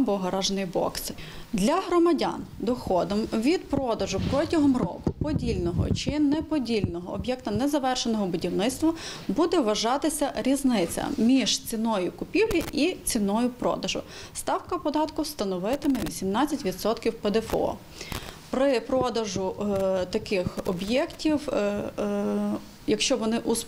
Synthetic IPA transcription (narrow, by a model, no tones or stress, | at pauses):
bɔɦɐɾɑʒnɪjbɔ̰ksd̪lʲɐɦɾɔmɐdʲa̰nd̪ɔxɔd̪ɔmʋʲid̪pɾɔd̪ɐʒʊpɾɔtʲɐɦɔmrɔkʊpɔdʲilʲnɔɦɔ̰t͡ʃɪnɛpɔdʲilʲnɔɦɔːbʲjɛkt̪ɐnɛzɐʋɛrʃenɔɦɔbʊdʲiwnɪt̪st̪ʋɐbud̪ɛʋɐʒɑt̪ɪsʲɐɾʲiznɪt͡sʲɐ̰mʲiʒ̥t͡sʲinɔjʊkʊpʲiwlʲiʔit͡sʲinɔjʊpɾɔ̰d̪ɐʒʊ̰ | st̪ɑwkɐpɔd̪ɑt̪kʊst̪ɐnɔʋɪt̪ɪmɛʋʲisʲimnɑt͡sʲːɐtʲʋʲid̪sɔt̪kʲiwped̪ɛfɔ̰ | pɾɪpɾɔd̪ɐʒʊt̪ɐkɪxɔbjɛktʲiw | jɐkʃt͡ʃɔʋɔnɪʔus